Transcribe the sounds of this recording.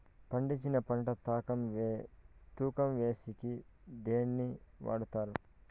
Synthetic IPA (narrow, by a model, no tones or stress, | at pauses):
pɐɳɖit͡ʃːinɐpɐɳʈɐt̪aːkɐmʋ | t̪uːkɐmʋe̞ːsikid̪eːnːiʋa̰ːɽut̪aːɾu